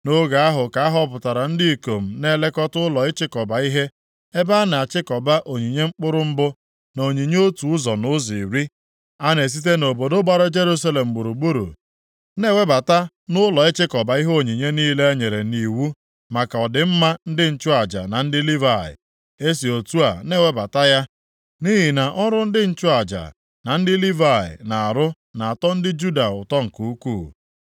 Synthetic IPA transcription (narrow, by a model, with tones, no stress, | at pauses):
no˦ɡa˨a˦ɦʊ˨ka˨˦a˦ɦɔ˦p̬ʊ˨ta˨ɾa˨n̩˦di˦i˨ko˨m̩˨ne˦le˦kɔ˦tʊ˦lɔ˨ɪ˦t͡ʃɪ˦kɔ˨ba˨i˦ɦe˦ | e˦ba˦na˨a˨t͡ʃɪ˦kɔ˨ba˦ʔo˨ɲi˨ɲe˦ŋ͡m̩˦k͡pʊ˦ɾʊ˦m̩˦bʊ˦ | no˨ɲi˨ɲe˦o˦tu˨ʊ˦zɔ˨nʊ˦zi˨ɾi˦ | a˦ne˨s̬i˦t̬e˦no˨bo˨do˦ɡ͡ba˦ɾʊ˦d͡ʒe˦ɾu˦sa˦le˨m̩˨ɡ͡bu˨ɾu˨ɡ͡bu˦ɾṵ˨˦ | ne˦˨we˦ba˨ta˦ | nʊ˦lɔ˨e˦t͡ʃɪ˦kɔ˨ba˨i˦ɦo˦˨ɲi˨ɲe˦niː˦le˦e˦ɲe˨ɾe˨ni˨wu˦ | ma˨ka˨ɔ˨dɪ˨m̩˦ma˦n̩˦dɪ˦n̩˦t͡ʃʊ˦a˨d͡ʒa̰˨na˨n̩˦dɪ˦li˦va˨ɪ̰˨ | e˦si˨o˨tu˦a˨ne˦˨we˦ba˨ta˦ja˦ | ni˦ɦi˨na˨ʔɔ˦ɾʊ˦n̩˦dɪ˦n̩˦t͡ʃʊ˦a˨d͡ʒa̰˨ | na˨n̩˦dɪ˦li˦va˨ɪ̰˨na˨a˨ɾʊ˦ | na˨a˨tɔ˦n̩˦dɪ˦d͡ʒu˦da˨ʊ˨tɔ˦ŋ̩˨ku˨u˦kuː˦˨